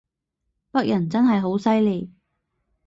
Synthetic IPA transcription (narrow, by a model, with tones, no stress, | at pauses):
pɐ˥k̚jʔɐ˨˩nt͡sɐ˥nɦɐ˨jɦo˨˥wsɐ˥jliː˨˩